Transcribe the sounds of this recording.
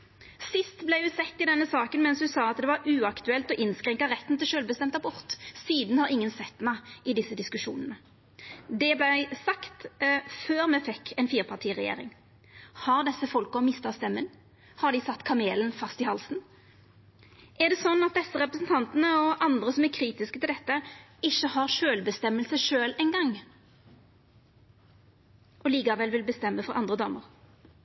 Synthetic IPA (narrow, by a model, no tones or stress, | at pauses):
sɪst̪blæɪjʉsɛt̪ːɪd̪ɛnːəsɑːkənmɛnshʉsɑːɑt̪̚d̪ɛʋɑɾʉːɑkt̪ʉɛlt̪ɔʔɪnskɾɛŋkɑɾɛt̪ːn̩t̪ɪlʃøːlbəst̪ɛmt̪ɑbʊʁt̪siːd̪n̩hɑɾɪŋːənsɛt̪ːmæɪɪd̪ɪsːəd̪ɪskʉʂṵːnənə | d̪ɛblæɪsɑkt̪føːʁmɛfɛkʰːɛɪnfiːʁpʰɑʁʈ̪ʰiːʁɛjḛːɾɪ̰ŋ | hɑʁd̪ɛsːəfɔlkɔmɪst̪ɑst̪ɛmːən | hɑʁd̪ɪsɑt̪ːkʰɑmeːlənfɑst̪ɪhɑlsn̩ | ʔæʁd̪ɛsɔnːɑt̪̚d̪ɛsːəʁɛpɾəsn̩t̪ʰɑnt̪ənəɔʔɑnd̪ɾəsɔmæɾkʰɾiːt̪ɪskət̪ɪld̪ɛt̪ːəɪçːəhɑʁʃøːlbəst̪ɛmːəlsəʂøːlɛɪnɡɑŋː | ʔɔliːkɑʋɛlʋɪlbəst̪ɛmːəfɔɾʔɑ̰nd̪ʁəd̪ɑ̰ːməɾ